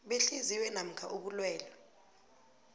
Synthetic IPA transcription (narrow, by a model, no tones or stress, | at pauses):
ɓeɬiziwɛnam̩kʰaʔuɓulwɛːlɔ